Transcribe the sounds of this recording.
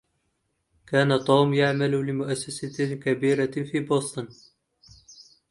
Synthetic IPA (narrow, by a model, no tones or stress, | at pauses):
kaːnat̪ˤuːmjaʕmallɪmʊʔasːasakabiːɾafiːboːsˤt̪ˤɨn